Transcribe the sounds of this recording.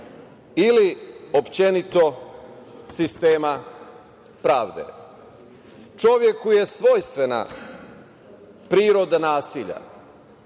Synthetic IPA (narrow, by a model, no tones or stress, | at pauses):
iliopt͡ɕe̞nit̪o̞ | sist̪eːma | pɾaːʋd̪ḛ | t͡ʃo̞ʋje̞kːuje̞sʋojst̪ʋena̰ | pɾiːɾo̞d̪anaːsiʎa̰